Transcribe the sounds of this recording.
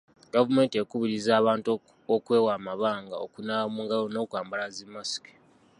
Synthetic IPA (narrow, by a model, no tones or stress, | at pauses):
ɡavume̞ːntiekuβiɾizaːβaːnt | okwe̞ːwaːmaβaːŋɡao̰kunamuŋɡalono̞ːkwaːmbalazimːasi̥ke̥